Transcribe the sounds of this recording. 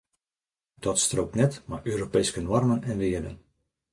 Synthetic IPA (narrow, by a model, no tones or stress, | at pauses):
d̥ɔtstroːknɛtmaʔøːɾopejskənwɔrmənɛnʋɪədə̰n